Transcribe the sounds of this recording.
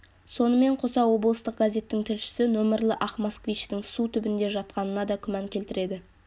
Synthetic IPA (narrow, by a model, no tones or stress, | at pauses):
so̞nəme̞ɴqʰo̞sɑwo̞blˠəst̪əq̚ɡ̥azʲe̞t̪ːɪŋt̪ʰɪlʃɪ̥sɪnɵmɪɾlʲˠɪʔɑχmaskvijt͡ʃt̪ɪŋsut̪ʰʏbɪnd̪e̞ʒɑt̪̚qɑnənɑd̪ɑkʲʰʏmɑŋkʲʰe̞lt̪ɪɾe̞d̪ɪ